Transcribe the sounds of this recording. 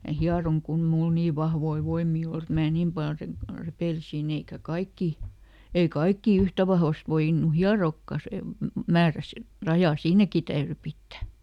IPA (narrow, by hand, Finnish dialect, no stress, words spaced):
mæ hiɑroŋ kun ĕ mul niː ʋɑhʋoi ʋoimːiː ol et mæː niːm pɑl re repeˑlisin eikæ kɑikːi ei kɑikːiˑ yhtæ ʋɑhʋɑst ʋoinˑu hiɑroːkːɑ sem mæːræ si rɑjɑˑ siːnæki tæyry pitːæ